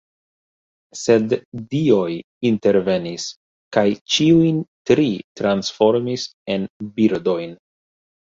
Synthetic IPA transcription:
se̞dːio̞j | inte̞ɾve̞nis | kajt͡ʃiujntɾitɾansfo̞ɾmise̞nbiɾdo̞jn

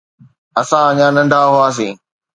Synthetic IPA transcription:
ɐsãəɲãːnɐ̃ɳɖʱaɦʊaːs̬ḭ̃ː

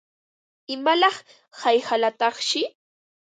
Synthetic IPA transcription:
ɪmalɑχ | hajhalat̪ɑχʃɪ

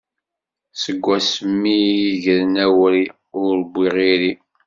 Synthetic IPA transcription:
səɡʷːæsəmːijiʝəɾnæwɾi | ʊɾbːiʁiɾi

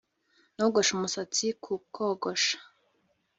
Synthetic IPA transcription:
noɡoʃumusat͡sikʰukʰoɡoʃḁ

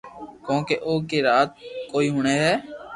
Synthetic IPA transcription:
kõːkeːʔoːkeːɾaːt̪̚koːiːɦʊːɳeːɦɛː

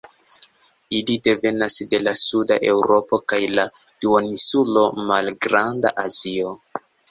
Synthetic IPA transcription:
ilide̞ve̞nasde̞lasudaʔe̞wɾo̞po̞kajla | duoninsulo̞malɡɾanda̰ʔazio̞

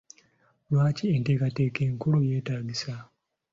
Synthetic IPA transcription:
lwaːcienteːkatekeŋkuloje̞ːtaːɡisa

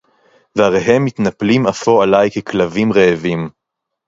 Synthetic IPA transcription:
veaʁeɦe̞mːit̪naplimafoalajkeklavimʁeːvim

